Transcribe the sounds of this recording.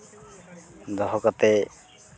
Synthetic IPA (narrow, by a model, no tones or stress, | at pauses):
d̪ɔɦɔkɔt̪ɛ